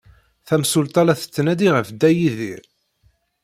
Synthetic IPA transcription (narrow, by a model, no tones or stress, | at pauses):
θæmsult̪æɾæθə̥t͡sːnæd̪iʁəfd̪ːæjiðḭɾ